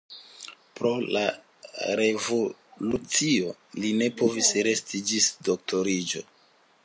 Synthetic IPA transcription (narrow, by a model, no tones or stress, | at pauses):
pɾo̞la | ɾevolut͡sio̞line̞po̞visɾe̞stid͡ʒisdok̚tʰo̞ɾid͡ʒo̞